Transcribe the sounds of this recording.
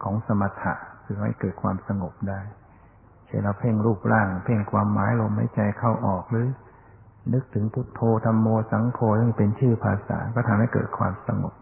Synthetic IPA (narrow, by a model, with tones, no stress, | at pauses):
kʰɔː˩˦ŋsa˧ma˧t̪ʰa̰˨˩ʔkʰɯː˧˩ha˥˩jkɤː˨˩t̪̚kʰwa̰ː˧msa˧ŋo˨˩p̚daː˥˩j | t͡ɕʰa˥˩nla˧˩wpʰe˥˩ŋɾuː˥˩p̚ɾaː˥˩ŋpʰe˥˩ŋkʰwaː˧mːaː˨˩˦jlo˧mha˥˩jt͡ɕa˧jkʰa˥˩wʔɔː˨˩k̚ɾɯː˨˦ | nɯ˦˥k̚t̪ʰɯ˩˦ŋpʰu˦˥˩t̪ʰːoː˧t̪ʰa˧mːoː˧sa˩˦ŋkʰoː˧sɯ˥˩ŋpe˧nt͡ɕʰɯː˥˩pʰaː˧sa̰ː˩˦kɔː˥˩t̪ʰa˧mha˥˩jkɤ̰ː˨˩t̪̚kʰwa̰ː˧msa˧ŋo̰˨˩p̚